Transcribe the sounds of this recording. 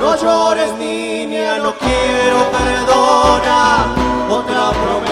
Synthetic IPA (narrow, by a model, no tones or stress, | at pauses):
ɾoʒoɾest̪i | njanõkjɛɾopeɾðonaɾot̪ɾapɾom